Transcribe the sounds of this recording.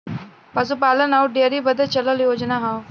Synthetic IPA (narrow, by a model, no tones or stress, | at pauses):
pas̬ũːpalənawʈ̚ɖijəɾiːbəd̪ʱət͡ɕələljod͡ʑnaɦaw